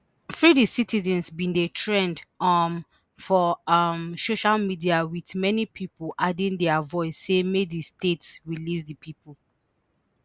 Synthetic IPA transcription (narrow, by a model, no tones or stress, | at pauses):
fɹidisitizɛ̃nsbĩndetʰɹɛ̃ndʌm | fɔʌmsoʃalmidiawitmɛnipʰipolʔadĩndɛavɔɪsːemedistetsɹilisdəpʰipʰul